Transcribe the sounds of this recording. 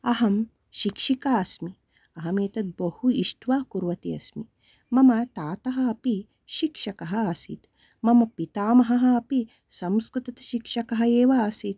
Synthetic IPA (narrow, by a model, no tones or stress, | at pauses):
ɐɦɐm | ʃikʃikaːɐsmi | ɐɦɐmeːt̪ɐt̪̚bɐhuiʂʈʰʋaːkuɾʋɐt̪iɐ̰smi | mɐmɐt̪aːt̪ɐɦɐ̆ɐpi | ʃikʂɐkɐɦɐːsit̪ | mɐmɐpit̪aːmɐɦɐɦɐ̆ɐpi | sɐmskɾut̪ɐt̪ɐ̥ʃikʂɐkɐɦɐeːʋɐːsit̪̚